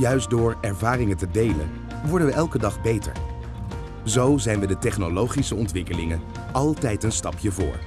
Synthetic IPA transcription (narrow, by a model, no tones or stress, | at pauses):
jœɥsdʊːɹɛɹvaːrɪŋəntədejlə̰n | ʋɔɹdənʋəʔɛlˠkədɑχbejtə̰ɹ | zowzɛjnʋədətɛχnolowχisəɔntʋɪkəlɪŋən | ɑlˠtɛjtənstɑpʰjəvʊ̰ːɹ